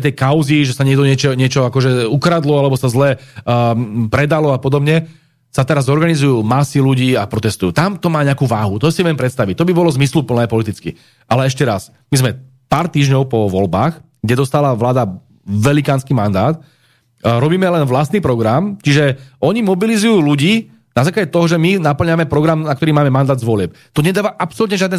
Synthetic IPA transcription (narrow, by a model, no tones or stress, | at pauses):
t̪ɛjkaʊziʒɛsaɲɛɡd̪ɔɲɪɛt͡ʃɛɲɪɛt͡ʃɔakɔʒɛukɾad̪lɔalɛbɔsazlɛː | pɾɛd̪alɔapɔd̪ɔbɲɛ | sat̪ɛɾazɔɾɡanizujuːmasiluɟiːapɾɔt̪ɛst̪ujuːt̪amt̪ɔmaːɲɛakuːʋaːɦut̪ɔsiʋjɛmpɾɛt̪st̪aʋic̚t̪ɔbibɔlɔzmislupl̩nɛːpɔlit̪̬it͡skḭ | ʔalɛɛʃcɛɾas | mizmɛ | paːɾt̪iːʒɲɔʊpɔʋɔlbaːx | ɡɟɛd̪ɔst̪aːlaʋlaːd̪a | ʋɛlikaːnskiːmand̪aːt̪ | ɾɔbiːmɛlɛnʋlast̪niːpɾɔɡɾamt͡ʃiʒɛʔɔɲimɔbilizujuːluɟiː | nazaːklaɟɛt̪ɔɦɔʒɛminapl̩ɲamɛpɾɔɡɾamnakt̪ɔɾiːmaːmɛmand̪aːd̪zʋʊɔlɪɛp̚ | t̪ɔɲɛd̪aːʋaʔapsɔlut̪ɲɛʒɪad̪nɛ